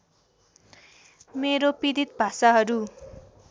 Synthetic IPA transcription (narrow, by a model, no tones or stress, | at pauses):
meɾopid̪it̪̚bʱasaɦʌɾu